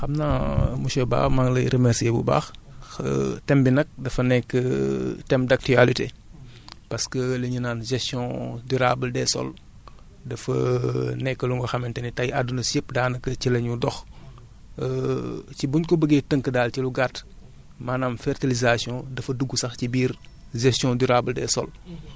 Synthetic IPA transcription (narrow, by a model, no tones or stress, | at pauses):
xɐmnamusɔba̰ːxmaŋlɐ̰jɾʔəmɛɾsiebṵba̰ːx | tɛmbinɐk̚dɐfɐnɛkːətɛmdak̚tyalite | pɐskəlɐɲinaːnʒɛstjɔ̃duɾabəldɛsɔ̰l | dɐfɐ̰nɛkːəluŋɡɔxɐmɛntɛnitɐjadunɐsipdaːnɐkːəcilɐɲudɔx | cibuɲkɔbəɡetəŋkədaːlciluɡat | maːnaːmfɛrtilizasjɔ̃dɐfɐduɡːusɐxcibiːɾ | ʒɛstjɔ̃duɾabəldɛ̰ːsɔl